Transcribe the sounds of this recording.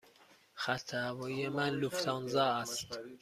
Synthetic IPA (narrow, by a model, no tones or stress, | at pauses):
χæt̪ʰːævɒjemænluft̪ʰɑnzɑːæst̪